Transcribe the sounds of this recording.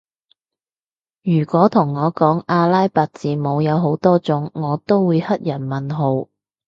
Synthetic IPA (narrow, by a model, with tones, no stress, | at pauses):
jyː˨˩kʷɔː˨˥t̪ʰʊ˨˩ŋːɔː˨˧kɔː˨˥ŋaː˧laː˥jpaː˨t̚t͡siː˨mo˨˧wjɐ˨˧wɦo˨˥wt̪ɔː˥t͡sʊ˨˥ŋːɔː˨˧t̪o˥wwuː˨˧jhɐ˥t̚jɐ˨˩nmɐ˨nɦo˨˧w